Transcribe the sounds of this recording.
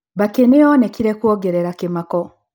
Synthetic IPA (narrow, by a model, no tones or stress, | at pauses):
βakeneɔnekiɾekuɔɡeɾeɾakemakɔ